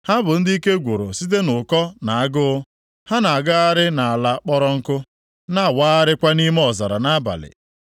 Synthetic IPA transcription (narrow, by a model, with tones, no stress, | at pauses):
ha˦bʊ˨n̩˦di˦i˦ke˦ɡʷu˨ɾo̰˨si˦t̬e˦nʊ˨kɔ˦na˨a˦ɡʊ˦ʊ˦ | ha˦na˨a˨ɡa˦a˦ɾɪ˦na˨a˨la˦k͡pɔ˦ɾɔ˦ŋ̩˦kʊ˦ | na˦˨waː˦a˦ɾɪ˦kʷa˦ni˦me˦ɔ˨za˨ɾa˨na˦ba̰˨lɪ̰˨